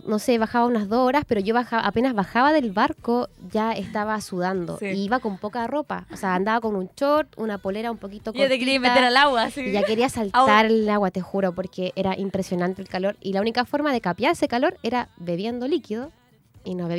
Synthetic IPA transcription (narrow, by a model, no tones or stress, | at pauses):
no̞seβaxaβaunazðooɾaspeɾo̞ʝo̞βaxaʔape̞nazβaxaβaðe̞lβaɾkoʝaest̪aβasuð̞and̪o̰siiβako̞mpo̞karo̞pa̰oseaːnd̪aβako̞nunt͡ʃoɾt̪ṵnapoleɾaumpo̞kit̪okkoot̪ekeɾiamet̪eɾalawasiʝake̞ɾiasaltt̪aɾlawat̪exuɾopo̞ɾkeʔeɾaʔimpɾesjo̞nant̪elkalo̞ɾilaunikafo̞ɾmaðe̞kapjaɾesekalo̞ɾeɾaβe̞βje̞nd̪o̞likiðo | inoβe